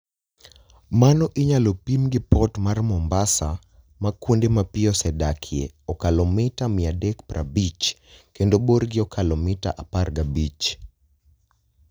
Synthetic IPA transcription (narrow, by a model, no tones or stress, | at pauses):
manɔʔiɲalopimɡipɔtmaɾmɔmbasa | makundemapiɔsɛdakʰiɛ̰ɔkalɔmitamiadɛkpɾa̰bit͡ʃkɛndoboɾɡiɔkʰalɔmita̰ʔapaɾɡabit͡ʃ